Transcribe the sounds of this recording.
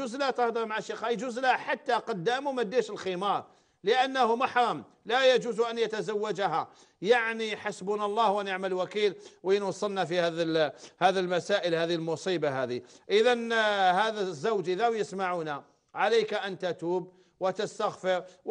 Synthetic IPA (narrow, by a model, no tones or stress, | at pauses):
uzlæt̪ɑhd̪ˤɑɾmaʕaʃixæjd͡ʒuzlħat̪ːaqɑd̪ːæmumæd̪ːæʃəlximɑɾˤ | ləʔænːahʊmaħɾˤɑm | læjæd͡ʒuzuʔænjət̪azawːad͡ʒaha | jaʕnijħasbunɑlˤːɑhwʔænjəʕməlwækilwjənwɑsˤːəlnæfihæðhæðilmæsaʔəlhæðilmʊsˤibaɦæd̪iʔəðænhæðæzːawd͡ʒʔəðawjəsmaʕuna | ʕalæjkaʔænt̪æt̪uːb | wət̪əst̪aɣfəɾ